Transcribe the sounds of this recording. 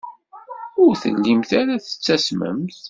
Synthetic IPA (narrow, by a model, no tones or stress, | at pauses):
ʊɾθə̰lːimθaɾæθə̥t͡sːæsmə̰mθ